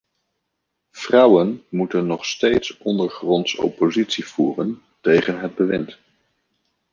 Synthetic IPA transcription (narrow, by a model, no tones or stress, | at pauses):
v̥rʌwənmutənːɔχstejtsɔndəɹχrɔntso̰wpozitsiv̥uːrən | tejχənɦəd̚bəʋɪnt